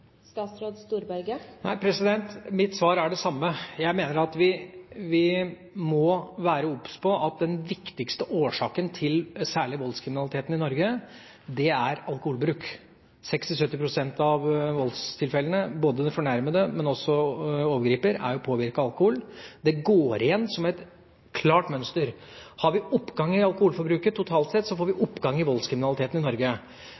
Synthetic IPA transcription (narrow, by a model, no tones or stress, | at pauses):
st̪ɑːt̪sɾoːd̪st̪uːɾbælɡənæ̰ɪpʰɾɛsɪd̪ɛnt̪mɪt̪sʋɑːɾæɖɛsɑmːəjæɪmeːnəɾɑt̪ʋɪʋɪ | mɔʋæːɾəɔpːspʰɔʔɑt̪̚d̪ɛnʋɪkt̪ɪkst̪əʔoːʂɑːkənt̪ʰɪlsæːɭɪʋɔlskʰɾɪmɪnɑlˠɪt̪eːt̪nɪnɔɾɡə | d̪ɛæɾɑlkʊhuːlbɾʉːk | sɛkst̪ɪsœt̪ːɪpʰɾʊsɛnt̪ɑʋʋɔlst̪ʰɪlfɛlːənəboːd̪əd̪ɛfɔɳæɾməd̪əmɛnɔsːɔɔʋəɡɾiːpəɾæ̰ɾjʊpʰoːʋɪɾkɑɑlkʊhuːld̪ɛɡoːɾɪjɛnːsɔmɛt̪ | kʰlɑːʈmœnst̪əɾ | hɑɾʋɪɔpːɡɑŋːɪɑlˠkʊhuːlfɔɾbɾʉːkət̪ʰʊt̪ʰɑːlt̪sɛt̪ːsɔfoːɾʋɪʔɔpːɡɑŋːɪʋɔlskʰɾɪmɪnɑlɪt̪ʰeːt̪nɪnɔɾɡə